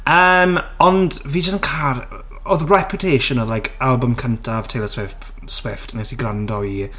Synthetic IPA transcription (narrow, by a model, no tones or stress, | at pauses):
əmɔndviːd͡ʒəstənkʰar | ɔðrɛpʰjʊtʰeːʃənɔðlajkʰalˠbəmkʰəntʰav̥tʰejlˠəswɪft | swɪftʰənesiɡɾandɔi